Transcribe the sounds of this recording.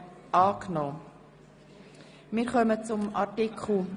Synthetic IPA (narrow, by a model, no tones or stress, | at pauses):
ʔɑːknoː | mɪːɾχœmət͡sʊmɑtikʰχl̩